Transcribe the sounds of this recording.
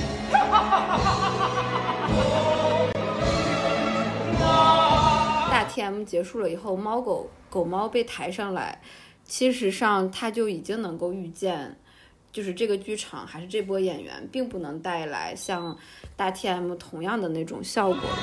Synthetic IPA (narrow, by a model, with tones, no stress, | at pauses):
ə˧ | t̪a˥˩t̪ʰjɛ˥mu˧˥˩t͡ɕjɛ˧˥ʂu˥˩lə˩i˨˩xo˥˩ʊmɑ˥ʊko˧˩ʊko˨˩ʊmɑ˥ʊpe˥˩ɪt̪ʰa˧˥ɪʂɑ˥˩ŋla̰˧˥ɪ | t͡ɕʰi˧˥ʂɻ̩˧˥ʂɑ˥˧ŋt̪ʰa˥t͡ɕjo˥˩ʊi˨˩t͡ɕi˥ŋnɤ˧˥ŋko˥˧ʊy˥˧t͡ɕjɛ˥˧˩n | t͡ɕjo˥˧ʂɻ̩˥˧ʈ͡ʂɤ˥˩ɡə˩t͡ɕy˥ʈ͡ʂʰɑ̰˨˩ŋxa˧˥ɪʂɻ̩˥˧ʈ͡ʂɤ˥˩p̬wɔ˥jɛ˨˩nɥɛ̰˧˥npi˥˧ŋpu˥˩nɤ˧˥ŋt̪a˥˩ɪla̰˧˥ɪɕjɑ˥˧ŋt̪a˥˩t̪ʰjɛ˥mu˥˩t̪ʰʊ˧˥ŋjɑ˥˩ŋd̪ə˩ne˥˩ɪʈ͡ʂʊ̰˨˩ŋɕjɑ˥˩ʊkwɔ̰˨˩˦